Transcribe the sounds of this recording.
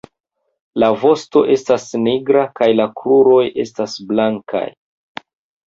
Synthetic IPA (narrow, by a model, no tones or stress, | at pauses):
lavo̞sto̞ʔe̞stasniɡɾakajlakɾuɾo̞je̞stasblaŋkʰa̰j